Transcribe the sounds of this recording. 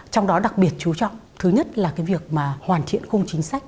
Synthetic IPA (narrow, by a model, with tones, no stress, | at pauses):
t͡ɕɔ˧wŋ͡mɗɔ˨˦ɗa˨˩k̚ɓi˨˩ət̚t͡ɕu˨˦t͡ɕɔ̰˧˨wŋ͡mt̪ʰɨ˨˦ɲə˦˥t̚laː˨˩kaː˨˦jvi˨˩ək̚maː˨˩hwaː˨˩nt̪ʰḭ˧˨ənxə˧wŋ͡mt͡ɕï˨˦ŋ̟sa˦˥jk̚